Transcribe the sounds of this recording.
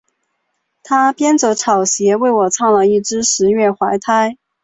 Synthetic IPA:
t̪ʰa˥pjɛ˥nʈ͡ʂɤ˧˥ʈ͡ʂʰɑ˨˩ʊɕjɛ˧˥we˥˩ɪwɔ˨˩t͡sʰɑ˥˩ŋlə˩i˥˩ʈ͡ʂɻ̩˥ʂɻ̩˧˥ɥɛ˥˩xwa˧˥ɪt̪ʰa˥ɪ

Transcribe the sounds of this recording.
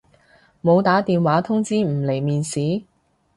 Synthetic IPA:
mo˨˧wt̪aː˨˥t̪iː˨nwaː˨˥t̪ʰʊ˥ŋt͡siː˥m̩˨˩le˨˩jmiː˨nsiː˨˥

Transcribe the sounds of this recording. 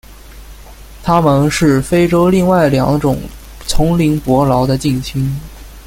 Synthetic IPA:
t̪ʰa˥mə˨nʂɻ̩˥˩fe˥ɪʈ͡ʂo˥ʊli˥˧ŋwa˥˩ɪljɑ̰˧˥ŋʈ͡ʂʊ̰˨˩ŋ | t͡sʰʊ˧˥ŋli˧˥ŋpwɔ˧˥lɑ˧˥ʊd̪ə˧t͡ɕi˥˩ŋɕʰy˥n

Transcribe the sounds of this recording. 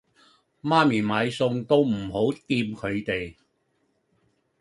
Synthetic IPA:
maː˥miː˨˩maː˨˧jsʊ˧ŋt̪o˥wm̩˨˩ho˨˥wt̪iː˧mkʰɵ˨˧ɥt̪e˨j

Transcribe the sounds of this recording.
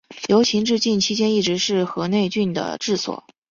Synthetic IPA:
jo˧˥ʊt͡ɕʰi˧˥ŋʈ͡ʂɻ̩˥˧t͡ɕi˥˩nt͡ɕʰi˥t͡ɕjɛ˥ni˥˩ʈ͡ʂɻ̩˧˥ʂɻ̩˥˩xɤ˧˥ne˥˧ɪt͡ɕy˥˩nd̪ə̰˩ʈ͡ʂɻ̩˥˩swɔ̰˨˩˦

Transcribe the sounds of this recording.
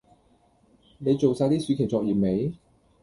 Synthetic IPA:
ne˨˧jt͡so˨wsaː˧jt̪iː˥syː˨˧kʰe˨˩t͡sɔː˧k̚jiː˨˩me˨˧j

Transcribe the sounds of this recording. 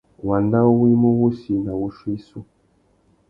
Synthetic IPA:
wa˨nda˦wi˦mo˦wu˦si˨na˨wu˦ʃwi˦su˦

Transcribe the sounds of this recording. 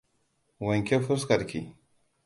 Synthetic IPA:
wɐ˨ŋkʲe˦fʊ˦skɐ˨ɾkʰʲḭ˨

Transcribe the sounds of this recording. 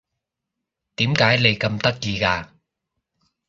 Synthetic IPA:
t̪iː˨˦mkaː˨˥jle˨˩jkɐ˧mt̪ɐ˦˥k̚jiː˧kaː˧

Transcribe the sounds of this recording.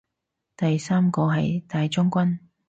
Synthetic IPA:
t̪ɐ˨jsaː˥mkɔː˧ɦɐ˨jt̪aː˨˧jt͡ʃʊ˥ŋkʷɐ˥n

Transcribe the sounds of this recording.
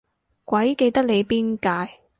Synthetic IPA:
kʷɐ˨˥jke˧jt̪ɐ˥k̚le˨˧jpiː˥nkaː˧j

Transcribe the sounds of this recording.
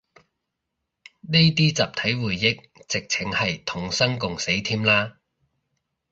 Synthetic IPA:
ne˥jt̪iː˥t͡sa̰ː˨p̚t̪ʰɐ˨˥jwuː˨˩jːɪ˥k̚ | t͡sɪ˨k̚t͡sʰɪ˨˥ŋhɐ˨jt̪ʰʊ˨˩ŋsɐ˥ŋkʊ˨ŋse˨˥jt̪ʰiː˥mlaː˥

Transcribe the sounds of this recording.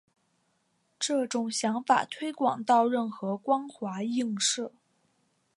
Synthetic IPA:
ʈ͡ʂɤ˥˩ʈ͡ʂʊ˨˩ŋɕjɑ˧˥ŋfa̰˨˩t̪ʰwe˥ɪkwɑ̰˨˩ŋt̪ɑ˥˧ʊɻə˥˩nxɤ˧˥kwɑ˥ŋxwa˧˥i˥˧ŋʂɤ˥˩

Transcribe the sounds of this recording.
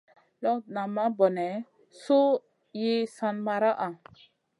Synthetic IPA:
lɔ˦na˨ma˦bɔ˨nɛ˨˦ | so˦ | je˦sa˦nma˧ɾa˦ʔa˨

